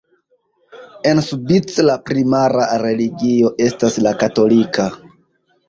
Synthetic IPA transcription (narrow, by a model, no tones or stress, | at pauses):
e̞nsubit͡slapɾimaɾaɾe̞liɡio̞ʔe̞staslakato̞lika